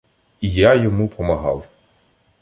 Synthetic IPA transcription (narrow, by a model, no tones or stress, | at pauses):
ijajɔmupʰɔmɐɦɑ̰w